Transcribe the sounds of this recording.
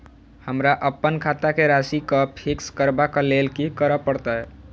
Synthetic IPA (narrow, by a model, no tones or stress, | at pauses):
həmɾaʔəpːənkʰat̪akeɾasikəpʰikskəɾbakəlelkikəɾəpəɽt̪ə